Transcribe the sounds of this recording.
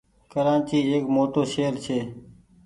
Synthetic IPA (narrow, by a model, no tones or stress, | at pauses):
kəɾãːt͡ʃiːeːkmoːt̪oːʃeːəɾt͡ʃʰeː